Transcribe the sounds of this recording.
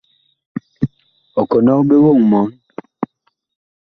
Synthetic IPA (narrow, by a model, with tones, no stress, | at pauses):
ɔ˨kɔ˨nɔ˦be˦wo˦˨ŋmɔ˨˦n